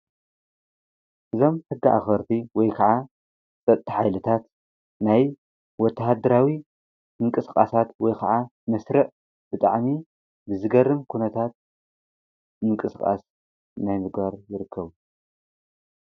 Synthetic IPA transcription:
ʔɨzo̞mhɨɡːaʔa̰xɐɾt̪ʰiwɔjkʰaʕa | t͡sʼɐt̪ʼːiħajlɨt̪ʰat̪ | naj | wɔt̪ʰːahad̪ɐɾawi | ɨŋkʼɨskʼasat̪wɔjkʰaʕa | mɐsɾɨʕ | b̥ɨt̪ʼaʕmi | bɨzɨɡɐrːɨmkʰunɐt̪ʰat̪̚ | mɨŋkʼɨskʼa̰s | najmɨɡbaɾjɪɾɨkʰːɐβu

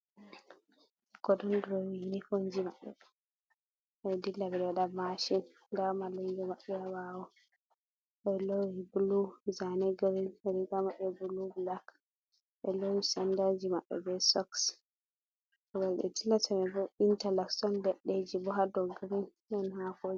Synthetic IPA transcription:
ɡ̥ɔdɔndɾɔwiinikoɲd͡ʒimaɓːɛ̰ | dilːabɛɗɛwaɗamaʃin | damalejɡɔmaɓɛawawɔ | ɓɛlowibuluzanɛɡaɾinɛɾikamaɓɛbulublak | ɓɛlowisandad͡ʒimaɓːɛ̰bɛsɔks | ɔɡaɗɛ̰tilasamɛbɔintalaksɔndɛɗːed͡ʒibɔɦadɔɡaɾin | ɗɔnhakod͡ʒi

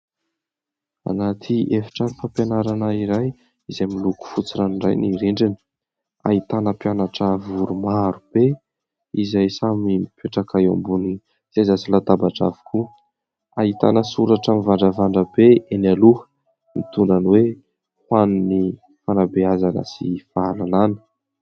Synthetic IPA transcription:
a̰nat̪ʰiʔefi̥ʈ͡ʂanifampjanaɾanaiɾaj | izajmiluku̥fut͡siɾanɳra̰jniɾeɳɖ͡ʐini̥ | a̰it̪anəpjanaʈ͡ʂəvuɾumaɾub̥e | izajsamimipʰeʈ͡ʂakaja̰mbuni | t͡sazasilat̪abaʈ͡ʂa̰vi̥kʰu | ait̪a̰nəsuɾaʈ͡ʂamivaɳɖ͡ʐəvaɳɖ͡ʐabeenaluɦə̥ | mḭt̪unanwe | hwanini | fanabeazanə̰sifaalananə̥

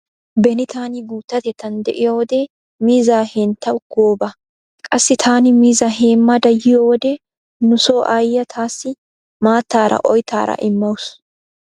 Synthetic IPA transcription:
bɛnɪt̪ʰaːnɪɡuːt̪ːɐt̪ɛt̪ːɐnd̪ɛʔɪjowɔd̪eː | miːzaːheːnt̪ːɐʊkːoːbɐ | kʼɐsːɪt̪ʰaːnɪmiːzɐheːmːɐd̪ɐjːɪjowɔd̪e | nʊso̞ːʔajːɐt̪ʰaːsːɪ | maːt̪ːaːɾɐ̰ʔɔjt̪a̰ːɾɐ̰ʔɪmːɐwʊs

